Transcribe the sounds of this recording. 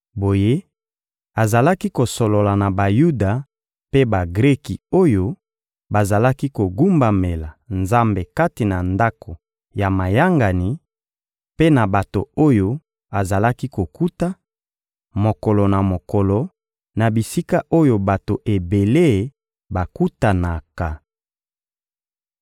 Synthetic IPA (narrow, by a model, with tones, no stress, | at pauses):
bo˨je˦ | a˨za˨la˦ki˦ko˨so˨lo˨la˨na˨ba˨ju˦da˨ | pe˦ba˨ɡʁɛ˦ki˨o˦jo˦ | ba˨za˨la˦ki˦ko˨ɡu˦mba˨me˨la˨nza˦mbe˨ka˦ti˨na˨nda˦kʰo˨ | ja˨ma˨ja˦ŋɡa˨ni˨ | pe˦na˨ba˨to˨o˦jo˦ | a˨za˨la˦ki˦ko˨ku˦ta˦ | mo˨kɔ˨lɔ˨na˨mo˨kɔ˨lɔ˨ | na˨bi˨si˦ka˦ʔo˦jo˨ba˨to˨ʔe˨be˨le˦˨ | ba˨ku˦ta˨na˨ka˨